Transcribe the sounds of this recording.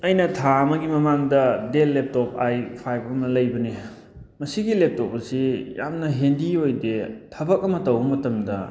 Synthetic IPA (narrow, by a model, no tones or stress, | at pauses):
ɐjnɐtʰaɐmɐɡimɐmaŋdɐdelːep̚top̚ajpʰajpɐmnɐlɐjbɐne | mɐsiɡilep̚tɔp̚pɐsija̰mnɐɦendiojdetʰɐbɐk̚ɐmɐtɐwbɐmɐtɐmdɐ